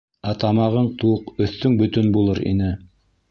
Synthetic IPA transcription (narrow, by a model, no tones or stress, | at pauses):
æt̪ɑmɑʁɤɴt̪uqɵ̆θt̪ːɵŋbɵ̆t̪ɵnbulˠɤɾḭnɘ